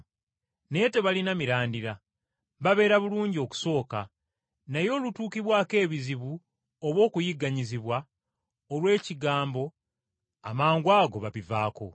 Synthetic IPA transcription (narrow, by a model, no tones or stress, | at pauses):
ne̞teβalinamiɾaːndiɾa | βaβe̞ːɾaβuluːɲɟio̞ku̥so̞ːka | najo̞ːlutuːkiβwaːke̞ːβiziβu | oβwo̞ːkujiɡːaɲiziβwa | olwe̞ːciɡaːmbo̞ | a̰maːŋɡwaːɡo̞βaβivaːko̞̰